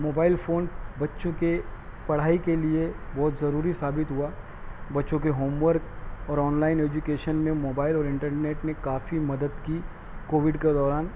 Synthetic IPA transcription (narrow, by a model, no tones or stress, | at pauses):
moːbaːɪlfʰoːnbɐtːʃõkepɐɽ̤aːikeliebɔːt̪zɐɾuːɾisaːbɪt̪ɦua | bɐtːʃõkeɦoːmʋəɾkɔːɾɔːnlaːɪneːd͡ʒukeːʃənmẽmoːbaːɪlɔːɾɪ̃ɳʈəɾneːʈnekaːfimɐd̪əd̪ki | koːʋɪɖked̪ɔːɾaːn